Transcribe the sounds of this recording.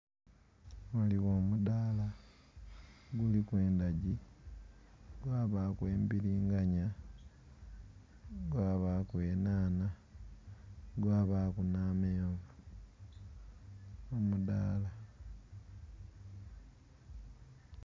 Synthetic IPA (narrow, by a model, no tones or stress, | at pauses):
waliɣoːmudala | ɡulikwe̞ːndaɟi | ɡwaːβakweːmbiɾiːŋɡaɲa | ɡwaːβakweːnaːna | ɡwaːβakunaːmeːvu | omuda̰ːla